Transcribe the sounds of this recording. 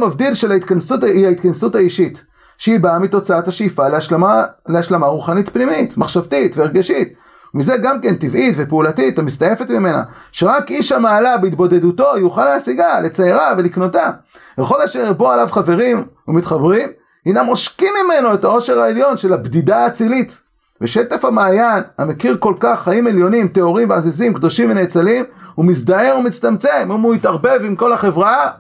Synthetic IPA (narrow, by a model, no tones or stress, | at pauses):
mavd̪ilʃelait̪kansutaiait̪kansuthaiʃit | ʃeibaamito̞t͡saathaʃeifaleaʃaleaʃlamaʁuχanitpnimitmaχʃavtitveːʁɡaʃit | umize̞ɡamke̞ntivitve̞peulatitamist̪aje̞fe̞tmime̞na̰ʃeʁakʔiʃamaːlabeit̪bo̞de̞duto̞juχaleasiɡalet͡saiʁave̞likno̞ta | veχo̞laʃeʁboalavχave̞ʁimumit̪χabʁim | inamo̞ʃkimːime̞no̞etao̞ʃe̞ʁaeljo̞nʃelabd̪id̪aːt͡silit̪ | veʃet̪afamaːjana̰me̞kiʁko̞lkaχːaimeljo̞nimt̪e̞o̞ʁimveazezimkd̪o̞ʃimvenet͡salimumisd̪ae̞ʁumit͡st̪amt͡semumuit̪aʁbe̞vimko̞lhaχe̞vʁaa